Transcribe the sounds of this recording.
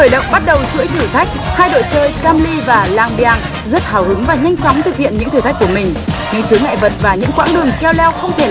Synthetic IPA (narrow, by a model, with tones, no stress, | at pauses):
xəː˧˩jɗə̰˧˨wŋ͡mɓa˦˥t̚ɗə˨˩wt͡ɕṵ˧˥əjt̪ʰɨ˧˩t̪ʰa˦˥jk̟̚haː˧jɗo̰˧˨jt͡ɕəː˧jkaː˧mli˧vaː˨˩laː˨˩ŋɓi˨aː˨˩ŋ | zə˦˥t̚haː˧˩whɨ˨˦ŋvaː˨˩ɲa˧jŋ̟t͡ɕɔ˨˦wŋ͡mt̪ʰɨ˨˩k̚hḭ˧˨ənɲɨ̰˧˥t̪ʰɨ˧˩a˦˥jku˧˩əmï˨˩ŋ̟ɲɨ̰˧˥ŋt͡ɕɨ˨˦ŋa̰ː˧˨jvə˨˩t̚vaː˨˩ɲɨ̰˧˥ŋkwa̰ː˧˥ŋɗɨ˨˩əŋt͡ɕɛ˧wlɛ˧wxə˧wŋ͡mt̪ʰe˧˩